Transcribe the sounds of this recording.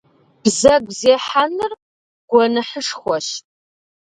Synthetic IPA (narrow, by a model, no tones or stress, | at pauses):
b̥zɐɡʷzeːħanɨr | ɡ̥ʷɔnɨħəʂxʷɔɕ